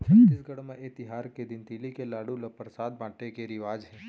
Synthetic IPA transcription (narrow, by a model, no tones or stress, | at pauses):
ɪsɡəɽmẽʔɪt̪ɪɦaːɾked̪ɪnt̪iːlikelaːɽulɐpɾsaːd̪̚bãːʈekeɾɪʋaːd͡ʒɦɛː